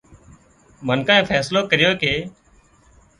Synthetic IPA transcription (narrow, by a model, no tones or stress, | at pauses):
mənkãːẽːfʰɛːsloːkəɾɪjoːkeː